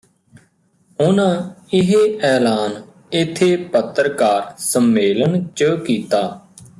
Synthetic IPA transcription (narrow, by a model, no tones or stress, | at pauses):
ʊnãːɪɦeːɛːlaːn | ɪt̪ʰːeːpət̪ːɾkaːɾsəmːeːlənt͡ʃəkiːt̪aː